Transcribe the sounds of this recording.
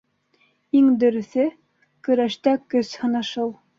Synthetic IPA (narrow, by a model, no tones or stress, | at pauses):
iŋd̪ɵ̆ɾɵ̆θɘ | kɵ̆ɾæʃt̪ækɵshɤ̆nɑʃɤlˠ